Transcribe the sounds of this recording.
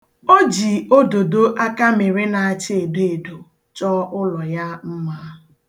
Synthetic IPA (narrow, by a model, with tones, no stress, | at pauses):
o˦d͡ʒi˨o˦do˨do˦ʔa˦ka˦me˨ɾe˦na˨a˨t͡ʃɪ˦e˨be˦e˨do˨ | t͡ʃɔ˦ʔʊ˦lɔ˨ja˦m̩˦mʷa˦˨